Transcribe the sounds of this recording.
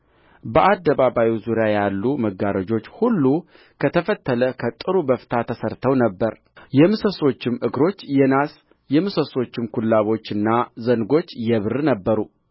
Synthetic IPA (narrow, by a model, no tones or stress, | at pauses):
bəʔad̪ːəβaβawizuɾjajalːuməɡaɾəd͡ʒo̞t͡ʃːhulːu | kʰət̪ʰəfət̪ːələkʰət̪ʼɨɾubəfɨt̪ʰat̪ʰəsəɾt̪ʰəwnəbːəɾ | jɛmɨsəso̞t͡ʃːɪmʔɨɡɾo̞t͡ʃːjɛnas | jɛmɨsəso̞t͡ʃːɪmkʰulːaβo̞t͡ʃːɨnːazənɡo̞t͡ʃːjɛβɨɾɨnəbːəɾu